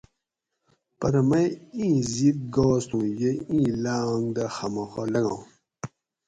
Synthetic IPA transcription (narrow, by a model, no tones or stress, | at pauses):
pɐɾɐmɐjĩːzik̚ɡoːst̪ũjeĩːlaŋd̪axɐmɔxɔ̰lɐŋã